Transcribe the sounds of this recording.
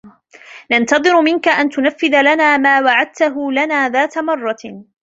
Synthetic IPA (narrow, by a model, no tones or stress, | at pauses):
nant̪ɑðˤɨɾʊmɪnkaʔant̪ʊnafːɪðalanaːmaːwaʕad̪̚t̪aɦʊlanaːðaːt̪amɑrˤːɑ